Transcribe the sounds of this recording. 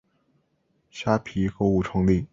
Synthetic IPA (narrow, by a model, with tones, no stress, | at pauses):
ɕja˥pʰi˧˥ko˥ʊu˥˩ʈ͡ʂʰɤ˧˥ŋli˥˩